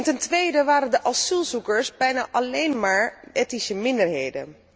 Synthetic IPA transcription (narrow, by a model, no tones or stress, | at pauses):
ntɛntʋejdəʋaːɾəndəʔɑsylˠzukəɹsbɛjna̰ːʔɑlejnmaːɹetnisəmɪndəɹɦejdə̰n